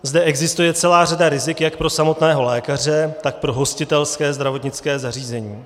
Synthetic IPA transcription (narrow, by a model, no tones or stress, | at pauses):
zdɛʔɛɡzɪst̪ujɛt͡sɛlaːradaɾɪzɪkjak̚pɾo̞samo̞t̪nɛːɦo̞lɛːkar̝ɛt̪ak̚pɾo̞ɦo̞scɪt̪ɛlskɛːzd̪ɾavo̞t̪ɲɪt͡skɛːzariːzɛɲiː